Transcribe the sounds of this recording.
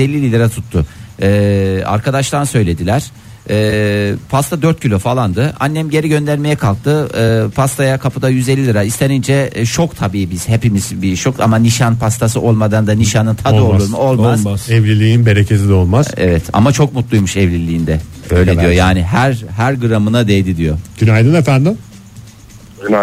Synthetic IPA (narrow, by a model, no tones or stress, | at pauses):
elʲːilʲilʲiɾat̪ʰut̪ʰːʊɛːa̰ɾkʰad̪aʃlˠansø̞jlʲe̞d̪ilʲæɾ̥ː | pʰast̪ʰad̪øɾt̪̚cʰilʲo̞falˠand̪ɯa̰nʲːɛmɟe̞ɾiɟø̞nd̪æɾme̞jɛkʰalˠk̚t̪ʰɯɯːpʰast̪ʰajakʰapɯd̪ajyzelʲːilʲiɾaist̪ʰe̞ɾind͡ʒɛʃʰo̞kt̪ʰabiːbiz̥he̞pimiz̥biʃo̞ka̰maniʃanpʰast̪ʰasɯʔo̞lˠmad̪and̪aniʃanɯnt̪ʰaolˠumolˠmazzɛvlʲilʲiinbeɾecʰesid̪ɛolˠmaz̥evɛt̪ʰa̰mat͡ʃʰo̞k̚mut̪lˠujmuʃɛvlʲilʲiːnd̪ɛø̞jled̪ijo̞jaːniɦæɾɦæɾɡɯɾamɯnad̪ejd̪id̪ijo̞ɟ̥ynajd̪ɯnefænd̪im